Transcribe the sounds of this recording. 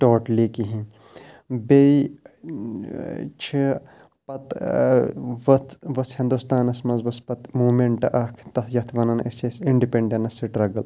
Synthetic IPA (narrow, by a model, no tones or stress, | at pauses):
ʈoːʈliːkiɦĩ | bei | t͡ʃʰi | pɐt̪ | ʋɐt̪ʋɐshĩnd̪ust̪aːnɐsmɐnzʋɐspɐt̪muːmeɳʈɐʔɐkʰt̪ɐt̪ʰjɐt̪ʰʋɐnɐnɐ̰st͡ʃʰesiɳɖipeɳɖenɐsiʈɾɐɡɐl